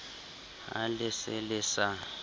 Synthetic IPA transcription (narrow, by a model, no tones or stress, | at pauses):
ɦa̰lɪsɪlɪsa